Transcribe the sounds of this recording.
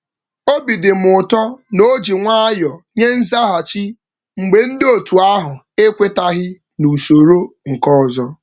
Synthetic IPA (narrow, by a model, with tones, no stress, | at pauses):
o˦bi˨dɪ˨mʊ˨tɔ˦no˦d͡ʒi˨ŋʷa˦a˦jɔ˨ɲe˦n̩˦za˦ɦa˨t͡ʃi˦ | ŋ͡m̩˨ɡ͡be˨n̩˦do˦˨tu˨a˦ɦʊ˨ | e˦kʷe˦ta˦ɦɪ˦ | nu˨so˨ɾo˦ŋ̩˨kɔ˦˨zɔ˦